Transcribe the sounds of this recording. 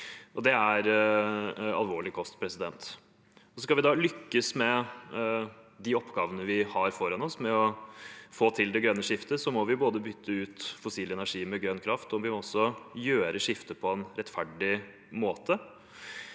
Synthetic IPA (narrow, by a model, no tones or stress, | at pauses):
ɔd̪ɛæɾ | ɑ̰lʋoːɭɪkʰɔst̪pʰɾɛsɪd̪ɛ̰nt̪ | ɔsɔskɑlʋɪd̪ɑlʏkːəsmɛ | d̪ɪɔpːɡɑːʋənəʋɪhɑɾfɔɾɑnɔsmɛɔfoːt̪ʰɪld̪ɛɡɾœnːəʂɪft̪əsɔmɔʋɪboːd̪əbʏt̪ʰːəʉːt̪fʊsiːlɛnæʂiːmɛɡɾœnkʰɾɑft̪ɔʋɪmɔɔsːɔjøːɾəʂɪft̪əpʰɔɛnɾɛt̪ːfæɖɪ | moːt̪ʰə